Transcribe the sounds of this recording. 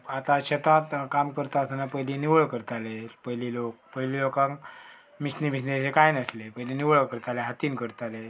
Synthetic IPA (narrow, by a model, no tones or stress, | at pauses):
at̪ãɕət̪ãt̪kamkəɾt̪aəst̪anapəjliniʋəɭkəɾt̪alepəɦlilok̚pəjlilokãŋk | misnimis̬nisekajnəslepəɦiliniʋəɭɭkəɾt̪aleɦat̪iːnkəɾt̪ale